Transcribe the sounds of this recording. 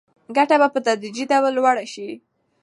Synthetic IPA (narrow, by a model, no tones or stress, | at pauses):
ɡaʈabapət̪ad̪ɾid͡ʒidawlwaɽaʃi